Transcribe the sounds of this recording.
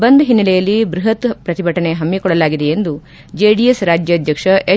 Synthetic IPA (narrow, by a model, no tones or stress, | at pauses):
bɐnd̪uɦinːɐlɛjɐlːibɾuɦɐt̪pɾɐt̪ibʱɐʈɐne̞ɦɐmːikɔɭɐlaːɡid̪e̞end̪u | d͡ʒeːɖijesɾaːd͡ʒjɐːd̪ʱjɐkʂɐe